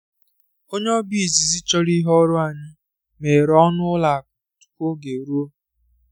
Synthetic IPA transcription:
o˦ɲe˦ɔ˦bi˦˨zi˨zi˦t͡ʃɔ˦ɾi˦ɦɔ˦ɾʊ˦a˨ɲɪ˦ | me˨ɾɔ˦nʊ˦la˨tu̥˨kʷo˦ɡe˨ɾu˦o˦

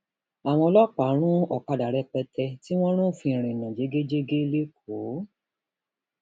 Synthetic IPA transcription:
a˨w̃ɔ̃˧ɔ˧lɔ˦˨k͡pa˨˦ɾ̃ũ˦ɔ˨ka˧da˨ɾɛ˧k͡pɛ˧tɛ˧ti˦w̃ɔ̃˦ɾ̃ũ˦˨fĩ˧˨ɾ̃ĩ˨nã˨d͡ʒe˨˦ɡe˦d͡ʒe˦ɡe˦le˦k̚ʰo˨˦

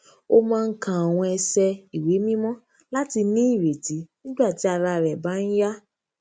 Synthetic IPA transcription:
o˧mãː˦˧n̩˦kã˦˨a˨w̃ɔ̃˧ɛ˧sɛ˧i˨we˨˦mĩ˦mɔ̃˦ | la˦ti˧nĩ˦i˦˨ɾe˨ti˨˦nĩ˦ɡ͡ba˦˨ti˨˦a˧ɾa˧˨ɾɛ˨ba˨˦n̩˦ja˦

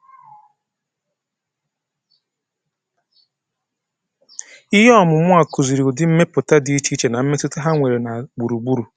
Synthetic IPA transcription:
i˦ɦe˦ɔ˦˨mʊ˨mʷʊ˦a˨ku˨zi˨ɾi˨ʊ˨dɪ˨m̩˦me˦pʊ˨ta˦di˦i˦t͡ʃi˦t͡ʃe˨na˨m̩˦me˦tʊ˦ta˦ɦa˦ŋʷe˨ɾe˨na˨ɡ͡bu˨ɾu˨ɡ͡bu˦ɾu˨

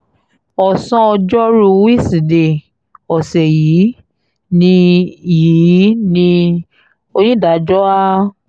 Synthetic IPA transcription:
ɔ˨sɔ̃˧ɔ˧d͡ʒɔ˦ɾu˧wi˦˨si˨de˨ | ɔ˨sɛ˨jiː˨˦ | nĩ˧ji˨˦nĩ˧ | o˧ñĩ˦˨da˨˦d͡ʒɔ˦a˦

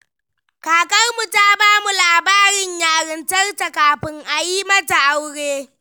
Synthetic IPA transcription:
kaː˨kɐ˦rmu˨taː˦baː˦mu˨laː˨baː˦ɾɪ˨ɲjaː˨ɽɪ˨ntɐ˦rta˨kaː˨ɸɪ˦ŋʔa˨jiː˦mɐ˦ta˨ʔa˦wɽeː˦

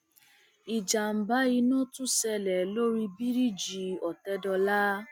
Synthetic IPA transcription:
i˨d͡ʒa˨m̩˨ba˨˦i˧nɔ̃˦tũ˦sɛ˧lɛ˨lo˦ɾi˧bi˦ɾi˦d͡ʒi˨ɔ˨tɛ˦dɔ˧la˦

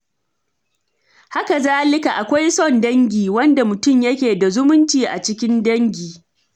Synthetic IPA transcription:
ha˦ka˨zaː˦lɪ˦ka˨ʔa˨kʷa˦jsɔ˦˨ndɐ˦ŋɡʲiː˨wɐ˦nda˨mʊ˨tʊ˦˨mjɐ˦kʲeː˨da˨zʊ˦mʊ˦nt͡ʃiː˨ʔa̰˨t͡ʃɪ˦kʲɪ˦ndɐ˦ŋɡʲiː˨

